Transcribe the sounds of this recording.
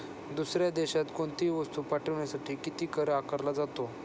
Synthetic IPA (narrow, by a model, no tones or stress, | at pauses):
d̪usɾjad̪eɕat̪koɳt̪iːʋəst̪uːpaʈʰəʋɳjasaʈiːkit̪iːkəɾakəɾlad͡zat̪o